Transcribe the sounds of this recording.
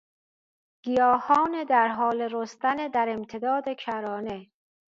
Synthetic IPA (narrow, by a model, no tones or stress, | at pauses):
ɡ̥ijɒːhɒːned̪æɾɦɒːleɾost̪æned̪æɾe̞mt̪ʰed̪ɒːd̪ekʰæɾɒːne